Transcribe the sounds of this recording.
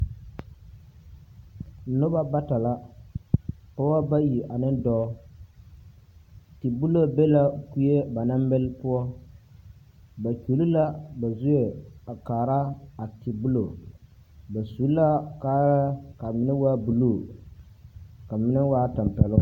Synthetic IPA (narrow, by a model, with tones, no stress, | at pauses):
nʊ˦ba˦ba˦ta˨la˦ | pɔ˦wa˦ba˦ji˨ʔa˨nɪ˦n˦dɔ˦ | ti˨bu˦lo˦be˦la˦ku˦je˦ba˨na˦mbɪ˦lpʊ˦ɔ˦ | ba˨ku˨lu˦la˦ba˨zu˦je˨a˨kaː˨ɾa˦a˨tɪ˨bu˦lo˨ | ba˨su˨˦la˦kaː˦ɾa˦ka˨mɪ˨nɪ˦wa˦bu˨lo˦˨ | ka˨mɪ˦nɪ˦waː˦ta˨m˨pɛ˨lʊ˦